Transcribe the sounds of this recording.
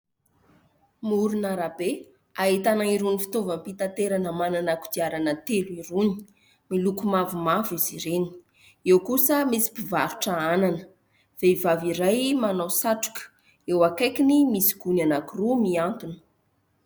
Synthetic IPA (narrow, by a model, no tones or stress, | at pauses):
muɾunaɾabe | aet̪anaiɾunifi̥t̪ovəmpit̪ant̪eɾanəmananaku̥d̪iaɾanət̪eluiɾuni̥ | milukumavumaviz̥iɾeni̥ | ewkusəmisi̥pivaɾu̥ʈ͡ʂəananə̥ | v̥eivaviɾajmanawsaʈ͡ʂu̥kə̥ | ewakajkinimisi̥ɡ̥unanakurumiant̪unə̥